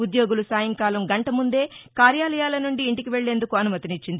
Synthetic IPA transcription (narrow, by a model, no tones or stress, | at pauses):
ud̪jo̞ːɡulusaːjɐŋkaːlɐmɡɐɳʈɐmund̪e̞ːkaːɾjaːlɐjaːlɐnuɳɖiːɳʈikiʋe̞ɭːe̞ːnd̪ukuɐnumɐt̪init͡ʃːind̪i